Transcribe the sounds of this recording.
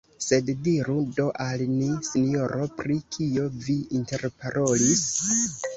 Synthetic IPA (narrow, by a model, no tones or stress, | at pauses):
se̞ddiɾudo̞ʔalnisinijo̞ɾʔo̞pɾikʰio̞viinte̞ɾpaɾʔolis